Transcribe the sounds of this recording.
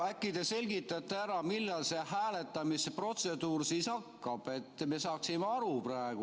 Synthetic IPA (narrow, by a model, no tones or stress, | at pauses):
ækːid̪e̞se̞lʲɡit̪ːˑɑt̪ːeæɾɑmilːɑlse̞hæːle̞t̪ːˑɑmispro̞t̪se̞d̪uːrsiːsɑkːɑb̥e̞t̪ːˑme̞sɑːksimeɑɾupræeɡ̥u